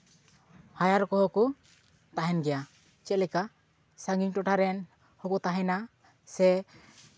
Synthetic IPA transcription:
hajaɾkɔɦɔkɔ | t̪aɦɛnɡɛja | t͡ʃɛlɛka | saŋɡiɲʈɔʈʰaɾɛn | hɔkɔt̪aɦɛna | sɛ

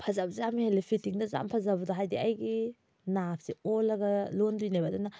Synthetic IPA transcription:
pʰɐzabzamihelipʰitiŋdɐza̰mpʰɐzabdaɦajdiɐjɡi | nap̚ʰsiolɐɡɐlondujnajbaduna

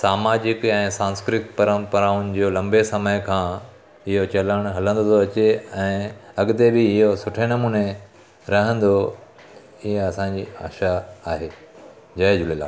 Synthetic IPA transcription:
saːmaːd͡ʑɪkɛ̃ːsãːnskɾɪk̪pɐɾə̃mpɐɾaːʊnɪ̆d͡ʑoːlɐ̃mbesɐməjkʰãː | ɪɦot͡ɕɐləɽ̃ʊɦɐlə̃nd̪ot̪ʰoɐt͡ɕeɛ̃ːɐɡɪt̪ebɪɪɦosʊʈʰenɐmuːne | ɾɐɦə̃nd̪o | ɪɦeɐsãɲd͡ʑḭːaːʃaːɦeː | d͡ʑɐed͡ʑʊlela̰ː

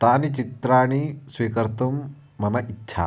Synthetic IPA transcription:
t̪aːnit͡ʃit̪ɾaːɳ̃isʋiːkɐɾt̪umː | ɐmɐʔitːʃʰa̰ː

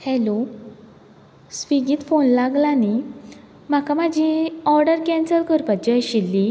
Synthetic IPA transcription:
hɛlo | sʋiɡiːt̪fonlaɡlani | m̤akamad͡ʑʱiɔɾɖəɾkɛ̃nsəlkʰəɾpat͡ɕɕilːi

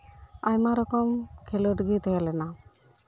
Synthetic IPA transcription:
ajmaɾɔkɔmkʰɛlɔʈɡit̪ɔjalɛna

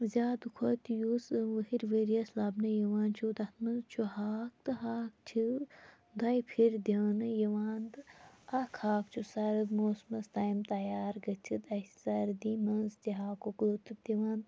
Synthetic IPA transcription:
zʲaːd̪ukʰot̪juːsʋɐhiɾʋeːɾiɐslaːbnɐjɐʋaːnt͡ʃʰuːt̪ɐt̪ʰmɐnzt͡ʃʰuhaːk̚t̪ɨɦaːk̚t͡ʃʰi | d̪ɐjpʰiɾd̪ɐnɨjɐʋaːnd̪ɨɐkʰaːk̚t͡ʃʰusɐɾɨd̪moːsmɐst̪aːjmt̪ɐjaːɾɡɐt͡ʃʰɨt̪ɐsɐɾd̪iːmɐnzt̪iɦaːkoklut̪ɨb̚d̪ɐʋaːnd̪

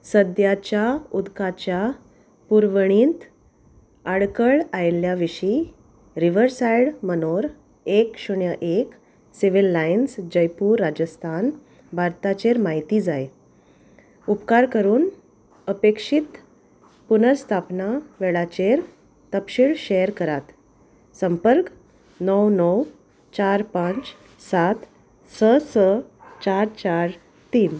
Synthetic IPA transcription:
səd̪jat͡ɕjaud̪kat͡ɕja | puɾʋəɳ̃iːnt̪ | aɽkəɭajljaʋiɕi | ɾiʋəɾsajɽmənoɾ | ekɕuɳjəʔek | siʋilːainsd͡ʑəjpuːɾːad͡ʑəst̪ʰan | bʱaɾt̪at͡ɕeɾmaɦit̪iːd͡zaj | upkaɾkəɾuːn | əpekʂit̪ | punəɾst̪ʰapnaʋeɭat͡ɕeɾ | t̪əpɕiɭɕeəɾkəɾat̪ | səmpəɾk | nəwnəw | t͡ɕaɾpãt͡s | sat̪ | səsət͡ɕaɾt͡ɕaɾ | t̪iːn

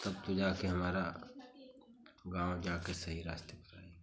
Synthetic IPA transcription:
t̪ɐb̚t̪od͡ʒaːkeɦɐmaːɾa | ɡãːod͡ʒaːkesɐɦiɾaːst̪ekɾa̰ːe

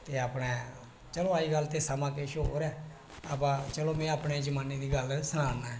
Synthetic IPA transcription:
t̪eːaːpnɛː | t͡ʃəloːaːiːɡəlt̪eːsamãːkeːʃɦo̰ːɾɛː | aːpãːt͡ʃəloːmɛ̃ːaːpneːd͡ʒəmaːneːd̪iːɡəlsənaːnaɛ̃ː

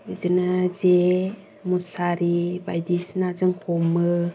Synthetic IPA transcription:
d͡ʒinad͡ʒe | musaɾiba̰jdisnad͡ʒəŋkʰomə

